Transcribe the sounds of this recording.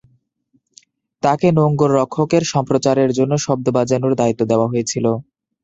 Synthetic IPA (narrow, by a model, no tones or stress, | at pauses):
t̪akenoŋɡoɾːɔkʰːokeɾʃɔmpɾot͡ɕaɾeɾd͡ʑonːoʃɔb̚d̪obad͡ʑanuɾd̪ait̪ːod̪eoaɦojet͡ɕʰilo